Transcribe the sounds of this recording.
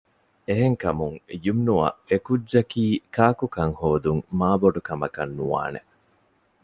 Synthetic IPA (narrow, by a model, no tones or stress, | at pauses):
eɦeŋkɐmuŋjumnuɐ̰ʔekud͡ʒd͡ʒɐkiːkaːkukɐŋhoːd̪uŋmaːboɖukɐmɐkɐnːuʋa̰ːnḛ